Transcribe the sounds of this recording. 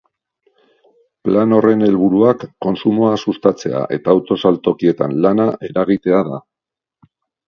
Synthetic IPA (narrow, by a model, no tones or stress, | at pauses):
plano̞re̞ne̞lβ̞uɾuakːo̞nsumo̞asust̪at͡se̞̰a̰ʔe̞t̪aːwt̪o̞salt̪o̞kie̞t̪anlanaʔe̞ɾaɣ̞it̪e̞aða